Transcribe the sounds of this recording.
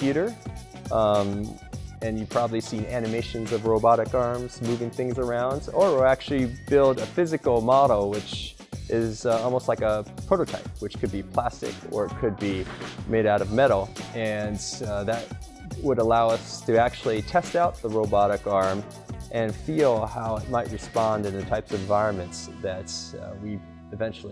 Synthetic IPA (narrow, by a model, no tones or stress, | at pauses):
fjʉɾə˞ | m | ɨ̃njɨpʰɹ̥ɑbəblisĩnænɨmeɪʃɨ̃nzʌvɹoʊbɑɾɨkɑɹmz̥mʉvɪ̃ŋθɪ̃ŋzə˞ãʊ̃ndzə˞æk̚t͡ʃʉl̩ˠibɪlˠdɨfɪzɨkl̩ˠmɑɾowɪt͡ʃ | ʔɪzɔlˠmoʊstˡlaɪkəpʰɹ̥oʊɾoʊtʰaɪp̚wɨt͡ʃkʰɨd̚bipʰl̥æstɨ̰kə̰˞ɨkʰɨd̚bimeɪɾaʊɾʌvmɛɾl̩ˠɨ̃nðɨt̚ | wəɾəlaʊʌstʰɨæk̚t͡ʃʉl̩ˠitʰɛstaʊt̪̚ðəɹoʊbɑɾɨkɑɹm | ʔɨ̃nfilˠhaʊɪt̚maɪʔ̚ɹɨspɑ̃ndɨ̃nɨtʰaɪpsʌvɨ̃ɱvaɪɹɨ̃nmɨ̃ntsðɨt̚wi | ɨvɛ̃nt͡ʃl̩ˠi